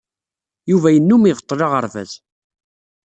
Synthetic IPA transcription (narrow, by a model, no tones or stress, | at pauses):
juvæjənːumiʁət̪ˤːlɑʁəɾˤvæ̰ð